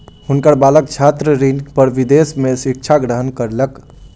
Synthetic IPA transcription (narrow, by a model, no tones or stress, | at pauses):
hunkəɾbaləkt͡ʃʰat̪ɾəɾinpəɾʋid̪esmesik̚t͡ʃʰaɡɾəɦənkəɾlək